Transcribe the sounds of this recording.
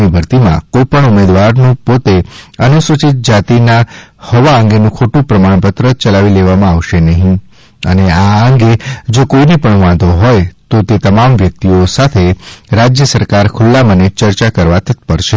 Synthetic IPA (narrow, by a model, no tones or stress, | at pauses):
nibʱəɾt̪imã̰kojpəɳumed̪ʋaɾnũpot̪eənusʋət͡ʃit̪̚d͡ʒat̪inahɔʋaəŋɡenũkʰoʈũpɾəmaɳ̃pət̪ɾət͡ʃəlaʋileʋamãaʋʃenəɦĩ | əneaəŋɡed͡ʒokoinepəɳʋãd̪ʱoɦɔjt̪ot̪et̪əmamʋjək̚t̪iosat̪ʰeɾad͡ʒjəsəɾkaɾkʰʊlːamənet͡ʃəɾt͡ʃakəɾʋat̪ʰət̪pəɾʃe